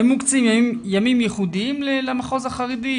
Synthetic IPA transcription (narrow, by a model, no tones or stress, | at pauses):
emukt͡simjaimjamimjɛχud̪iimlelamaχo̞zaχaʁidi